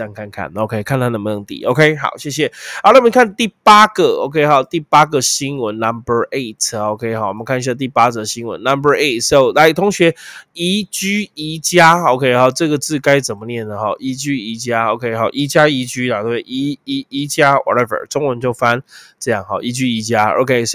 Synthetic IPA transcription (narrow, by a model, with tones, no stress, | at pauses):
a˥˧nkʰa˥˧nkʰa̰˥˩no˨˧ʊkʰe˦ɪkʰa˥˩˨nt̪ʰa˦˥nə˧˩mə˧nə˧˦ŋt̪ḭ˨˦ʔo̰˧ʊkʰe˦˥ɪɦɑ̰˨˩ʊɕjɛ˥˩ɕ̬jɛ˨˦˨la˥˩˨mi˧kʰa˥˨˧nt̪i˥˩pa˥ɡ̥ə˨o˧ʊkʰe˥ɪxɔ˨˩t̪i˥˩pa˦˥ɡə˨ɕi˦˥nwə˨˦nːa˦mbə˧ʔe˥˩ɪtʰo˧ʊkʰe˦ɪhɔ˨˩wɔ˨mə˦nkʰa˥˧n˧ɕja˥˧d̪ə˧t̪̬i˥˩pa˦d͡zə˨˩˧ɕi˦nwə̰˧˦nːa˦mbə˧ʔe˥ɪtʰso˥˨˧ʊla˧˥ɪt̪ʰo˧˦ŋɕɥɛ˧˦i˧˥t͡ɕy˥i˧˥t͡ɕja˦o˧ʊkʰe˦ɪɦɔ˨˩ʈ͡ʂɤ˥˨ɡə˩t͡sɹ̩˥˨ka˦ɪt͡sə˨˩nmə˦njɛ˥˩nːə˨hɔ̰˥˩ʔi˧˥˦t͡ɕy˦i˧˦t͡ɕja˦o̰˧ʊkʰe˦ɪɦɔ̰˨˩ʔi˧˦t͡ɕja˦˥i˧˥t͡ɕy˦la˨t̪we˥˩ɪʔi˨˧˦i˨˦i˧˦t͡ɕja˦wʔɔ̰˨ɾɛ˦və̰˞˨˩ʈ͡ʂo˥˦ŋwə˧˦nt͡ɕjo˥˩ʊfa˦nʈ͡ʂɤ˥˧jɑ˥˩ŋɦɔ̰˨˩ʔi˧˥t͡ɕy˦˥i˨˧˥t͡ɕja˦o̰˧ʊkʰe˦ɪs